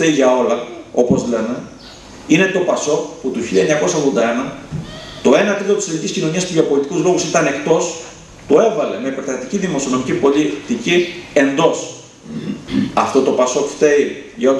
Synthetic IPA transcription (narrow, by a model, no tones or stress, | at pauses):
eiʝɐo̞lɐo̞po̞zle̞ne̞ | ine̞t̪o̞pɐso̞kput̪uçiʎɐeɲɐko̞sɐɣðond̪ɐe̞nɐ | t̪o̞e̞nɐt̪ɾit̪ot̪iseliciscino̞ɲiɐspuʝɐpo̞lit̪i̥kuzlo̞ɣusit̪ɐne̞kt̪o̞s | t̪ue̞vɐle̞me̞ipeɾθɐt̪iciðimo̞siono̞micipo̞lit̪icie̞nd̪o̞s | ɐft̪o̞t̪o̞pɐso̞kfθe̞iʝɐo